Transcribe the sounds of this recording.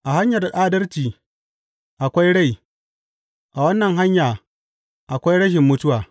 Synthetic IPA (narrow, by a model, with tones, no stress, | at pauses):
ʔa˨ha˦ɲjɐ˨da˨ɗaː˦dɐ˦rt͡ʃiː˨ | ʔa˨kʷa˦jɽa˦˨j | ʔa˨wɐ˦nːɐ˨ŋɦa˦ɲjaː˨ | ʔa˨kʷa˦jɽɐ˦ʃ̬ɪ˨mːʊ˦tʊ˦waː˨